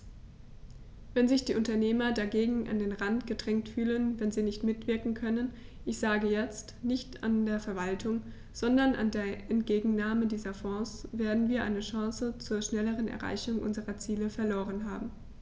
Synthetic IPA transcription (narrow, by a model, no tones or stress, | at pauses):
vɛnzɪçd̥iːʔʊntɐneːmɐdaɡeːɡŋ̩ʔa̰ndeːnʁantɡ̥ədʁɛŋktfyːlənvɛnziːnɪçtmɪtv̥ɪɐkŋ̩kʰœnən | ʔɪçz̥aːɡəjɛt͡stnɪçta̰ndeːɐfɛɐvaltʰʊŋ | z̥ɔndɐnʔa̰ndeːɐʔɛntɡ̥eːɡŋ̩naːmədiːzɐfɔ̃ːsv̥eːɐdn̩viːɐʔa̰ɪnəʃɑ̃ːsət͡suːɐʃnɛləʁ̞ənɛ̰ɐʁa̰ɪçʊŋʔʊ̰nzəʁɐt͡siːləfɛɐloːʁ̞ənɦa̰ːbm̩